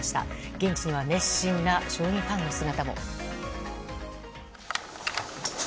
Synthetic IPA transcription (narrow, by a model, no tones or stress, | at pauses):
ɕi̥t̪a̰ɡ̥ẽ̞ɲ̟t͡ɕiɲ̟iβane̞ɕĩnːaɕo̞ːɲĩŋhãŋɡɯsɨnat̪amo̞̰